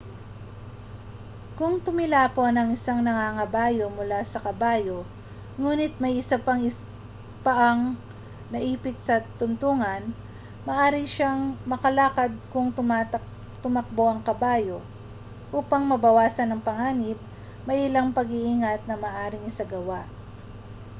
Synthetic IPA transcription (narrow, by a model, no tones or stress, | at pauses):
kʊŋt̪ʊmɪlaːponɐŋɪsaŋnɐŋaŋɐbaːjo̞mʊlasɐkɐbaːjo̞ | ŋuːnɪt̪̚mɐjʔɪsapɐŋɪ | pɐʔɐŋ | nɐʔiːpɪt̪̚sɐt̪ʊnt̪uŋɐn | mɐʔaːɾɪʃaŋmɐkɐlaːkɐd̪̚kʊŋt̪ʊm | t̪ʊmɐk̚bo̞ʔɐŋkɐbaːjo̞ | ʔuːpɐŋmɐbɐwaːsɐnɐŋpɐŋaːnɪb̚ | mɐjʔɪlaŋpɐɡiʔiŋat̪̚nɐmɐːʔaːɾɪŋɪsaɡɐwaʔ